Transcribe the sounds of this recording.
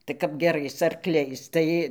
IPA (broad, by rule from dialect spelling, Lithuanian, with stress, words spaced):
tɐɪ kɐp ɡʲɛˈrɐɪs ɐrˈklʲɛɪs ˈtɐɪ